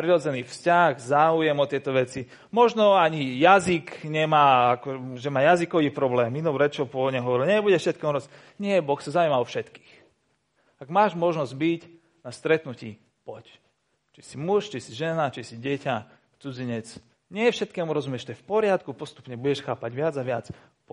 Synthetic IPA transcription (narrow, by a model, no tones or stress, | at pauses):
pɾiɾɔd͡zɛniːfscaɣzaːujɛmɔt̪ɪɛt̪ɔʋɛt͡si | mɔʒnɔaɲijazikɲɛmaːakɔʒɛmaːjazikɔʋiːpɾɔblɛːminɔpɾɛt͡ʃɔpɔʋɔdɲɛɦɔʋɔɾilɲɛbuɟɛfʃɛt̪kɛːmuɾɔs | ɲɪɛbɔxsazaumaɔfʃɛt̪ki̥ːx | aɡmaːʒmɔʒnɔzɟbic | nast̪ɾɛt̪nucḭː | pɔc | t͡ʃi̥simuʃt͡ʃisiʒɛnat͡ʃisiɟɛca | t͡sud͡ziɲɛt͡s | ɲɪɛfʃɛt̪̚kɛːmuɾɔzumjɛʃt̪ɔjɛfpɔɾɪat̪kupɔst̪u̥pɲɛbuɟɛʃxaːpaɟʋɪad͡zaʋɪat͡s | p